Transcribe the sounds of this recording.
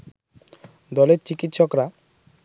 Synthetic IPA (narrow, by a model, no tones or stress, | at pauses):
d̪ɔleɾt͡ɕikit̪ːʃɔkɾa